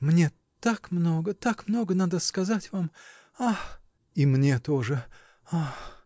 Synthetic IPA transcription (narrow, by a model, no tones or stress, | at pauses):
mnʲe | t̪akmno̞ɡət̪akmno̞ɡənad̪əskɐzatʲvam | ax | imnʲet̪oʐɨ | ax